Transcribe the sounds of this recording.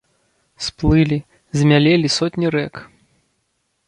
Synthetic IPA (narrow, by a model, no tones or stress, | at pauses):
splˠɨlʲi | zʲmʲalʲelʲisɔtʲnʲiɾɛk